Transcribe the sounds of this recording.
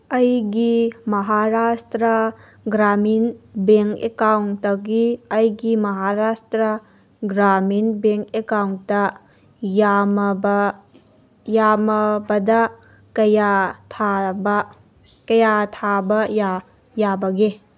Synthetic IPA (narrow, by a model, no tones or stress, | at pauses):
ɐjɡimɐɦaɾastɾɐ | ɡɾaminbeŋkḛkawŋtɐɡiɐjɡimɐɦaɾastɾɐ | ɡɾaminbeŋkekawntɐ | jamb | jamɐbɐdɐ | kɐjatʰabɐ | kɐjatʰabɐja | jabɐɡe